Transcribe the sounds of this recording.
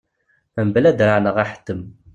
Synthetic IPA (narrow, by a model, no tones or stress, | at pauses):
æmblæd̪ɾaʕnəʁaħə̥t̪ːəm